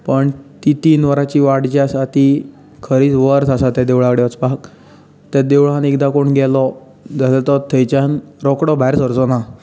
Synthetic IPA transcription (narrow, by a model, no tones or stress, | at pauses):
pəɳt̪it̪iːnʋəɾat͡ɕiːʋaɽd͡ʑasat̪i | kʰəɾiːt͡sʋəɾt͡sasat̪jad̪eʋɭakɽeʋət͡spak | t̪ad̪eʋɭãnekd̪akoɳɡɛlɔ | d͡zasɛt̪ɔt̪ʰəjt͡ɕanɾɔkɽɔbʱaeɾsəɾd͡zɔna